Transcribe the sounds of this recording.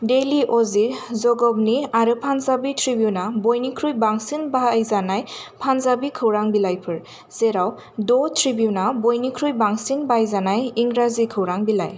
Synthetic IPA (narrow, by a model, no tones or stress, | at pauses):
deliʔɔzizɔɡɔbniaɾɯpʰanzabitʰɾibiunabɔjnikʰɾujbaŋsinbajzanajpʰanzabikʰɯwɾaŋbilajpʰɯɾ | z̥eɾaw | dɔtʰɾibiunabɔjnikʰɾujbaŋsinbajzanajiŋɡɾazikʰɯwɾaŋbila̰j